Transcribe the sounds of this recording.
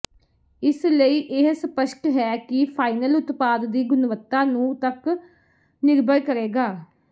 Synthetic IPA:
ɪsləiːʔɪɦsəpəʃkɦɛːkɪpʰaːinəlʊt̪paːd̪ːiːɡʊnʋət̪ːaːnũːt̪ək | nɪɾbəlkəɾeːɡaː

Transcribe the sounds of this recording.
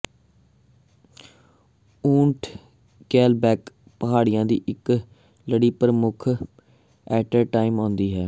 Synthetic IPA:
ũːɳʈʰ | kɛːlbɛːk | pəɦaːɽɪjãːd̪ḭːʔɪk | ləɽiːpəɾəmʊkʰ | ɛːʈəɾʈaːɪmõːnd̪iːɦɛː

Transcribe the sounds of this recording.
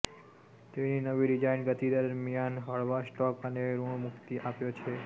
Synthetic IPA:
t̪eninəʋiɾid͡ʒainɡət̪id̪əɾmijanɦəɭʋasʈɔkəneɾuɳmʊkt̪iʔapjot͡ʃʰe

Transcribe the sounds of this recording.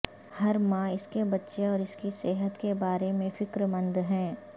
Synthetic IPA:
hɐɾmãɪskebɐtːʃeɔːɾɪskiseːɦət̪kebaːɾemẽfɪkɾmɐ̃nd̪ɦɛ̃ː

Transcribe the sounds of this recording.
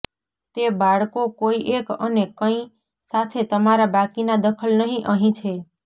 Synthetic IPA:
t̪ebaɽkokoiʔekə̰nekə̃ĩ | sat̪ʰet̪əmaɾabakinad̪əkʰəlnəɦĩʔəɦĩt͡ʃʰe

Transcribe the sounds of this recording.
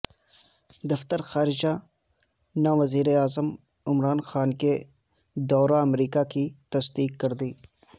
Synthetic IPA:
d̪ɐft̪əɾxaːɾɪd͡ʒa | naʋɐziːɾeaːzəm | ɪmɾaːnxaːnke | d̪ɔːɾaɐmɾiːkakit̪ɐsd̪iːkːɐɾd̪iː

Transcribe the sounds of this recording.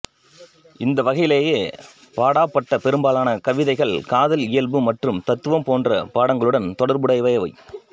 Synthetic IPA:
ɪnd̪ɐʋɐɣɐjɪleːjeː | paːɽaːpːɐʈːɐpɛɾɯmbaːlaːnɐkɐʋɪðɐɪɣɐɭkaːðɐlɪjɐlbɯmɐʈrɯmt̪ɐt̪ːɯʋɐmpoːndrɐ̰paːɽɐŋɡɐɭɯɽɐnt̪ɔɽɐɾbɯɽɐɪʋɐjɐʋɐɪ

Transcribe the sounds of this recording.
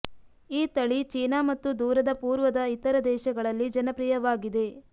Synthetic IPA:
iːt̪ɐɭit͡ʃiːnamɐt̪ːud̪uːɾɐd̪ɐpuːɾʋɐd̪ɐit̪ːɐɾɐd̪ɛːʃɐɡɐɭɐlːid͡ʒɐnɐpɾijɐʋaːɡid̪e̞

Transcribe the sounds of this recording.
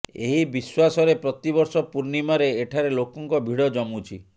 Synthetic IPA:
eɦibiswasɔɾepɾɔt̪ibɔɾsɔpuɾnimaɾeːʈʰaɾelokɔŋkɔbʱiɽɔd͡ʒɔmut͡ʃʰi

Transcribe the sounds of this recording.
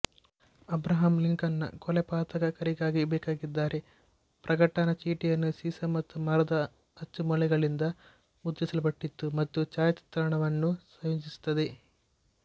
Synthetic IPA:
ɐbɾɐɦɐmliŋkɐnːɐ̰kɔlɛpaːt̪ɐɡɐkɐɾiɡaːɡibɛːkaːɡid̪ːaːɾe̞ | pɾʔɐɡɐʈɐnɐt͡ʃiːʈijɐnːusiːsɐmɐt̪ːumɐɾɐd̪ɐ | ɐt͡ʃːumulɛɡɐɭind̪ɐ | mud̪ːisɐlɐbɐʈːit̪ːumɐt̪ːut͡ʃaːjɐt̪i̥t̪ːɾaɐɳɐʋɐnːusʋɐjuɲt͡ʃisu̥t̪ːɐd̪e̞

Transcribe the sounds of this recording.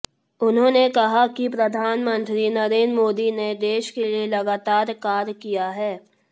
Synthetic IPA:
ʊnɦõːnekɐɦakipɾɐd̪ʱaːnmə̃nt̪ɾinɐɾeːnd̪ɾmoːd̪ined̪eːʃkelielɐɡaːt̪aːɾkaːɾkijaɦɛː

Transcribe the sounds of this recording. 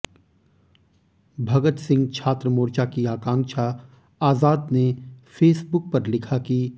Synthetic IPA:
bʱɐɡət̪sɪ̃ŋɡt͡ʃʰaːt̪ɾəmoːɾt͡ʃakiaːkãːŋkʃa | aːzaːd̪nefʰeːsbʊk̚pɐɾlɪkʰaki

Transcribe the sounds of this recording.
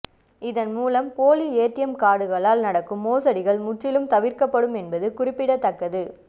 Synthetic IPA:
ɪðɐnmuːlɐmpoːlieːʈːɪjɐmkaːɽɯɣɐɭaːlnɐɽɐkːɯmːoːsɐɽɪɣɐɭmʊʈrɪlɯmt̪ɐʋɪɾkɐpːɐɽɯmɛnbɐðɯkʊrɪpːɪɽɐt̪ːɐkːɐðɯ

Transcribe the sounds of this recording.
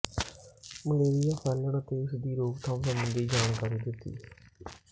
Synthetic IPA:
məleːɾijaːpʰɛːlənət̪eːɪsd̪iːɾoːkt̪ʰãːũːsəmbənd̪iːd͡ʒaːɳ̃kaɾiːd̪ɪt̪ːḭː

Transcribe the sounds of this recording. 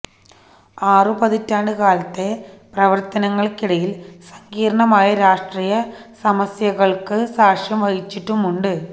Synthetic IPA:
aːrɨpɐðitːaːɳɖɨkaːlɐt̪ːe̞prɐʋɐrt̪ɐnɐŋːɐɭkiɽɐjilsɐŋɡiːɾɐɳɐmaːjɐɾaːʂʈriːjɐsɐmɐsjɐɣɐɭkɨsaːʂjɐmʋɐɣit͡ɕːiʈːumuɳɖɨ

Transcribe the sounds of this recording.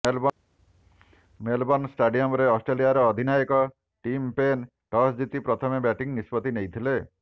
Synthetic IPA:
melbɔnsʈeɖiɔmɔɾeɔsʈɾeliaɾɔːd̪ʱinajɔkɔ | ʈimpen | ʈɔsd͡ʒit̪ipɾɔt̪ʰɔmebɛʈiŋnispɔt̪inejt̪ʰile

